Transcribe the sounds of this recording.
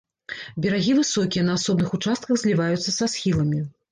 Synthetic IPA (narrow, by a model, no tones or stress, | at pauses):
bʲɛɾaɣʲivɨsɔkʲijɐnɐasɔbnɨxut͡ʂast̪kɐɣzʲlʲivajut̪sːɐsasxʲilˠɐmʲi